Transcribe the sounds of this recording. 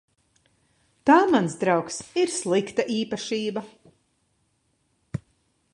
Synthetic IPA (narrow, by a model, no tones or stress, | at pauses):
t̪aːmansd̪ɾawksiɾslˠikt̪aʔiːpaʃiːba